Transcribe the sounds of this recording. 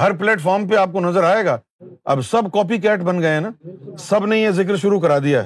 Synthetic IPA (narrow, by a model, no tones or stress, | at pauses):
ɦɐɾplɛːʈfɔːɾmpeaːp̚konɐzəɾaːeːɡaː | ɐ̰bsɐbkɔːpik̬ɛːʈbɐnɡɐenaːsɐbnejezɪk̬ɾʃʊɾuk̬ɐɾaːd̪ijaɦɛ